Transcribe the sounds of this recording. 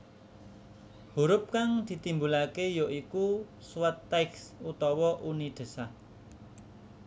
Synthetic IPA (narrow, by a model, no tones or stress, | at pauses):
huɾʊp̚kaŋd̪̥i̤t̪imbulakejoiku | suwat̪ːɛksut̪ɔwɔʔunid̪̥ə̤sah